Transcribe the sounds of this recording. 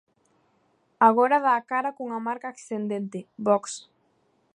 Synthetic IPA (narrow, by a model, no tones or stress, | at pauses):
aɣ̞oɾaðaːkaɾakoŋamaɾkaːksθend̪ent̪ɪbɔks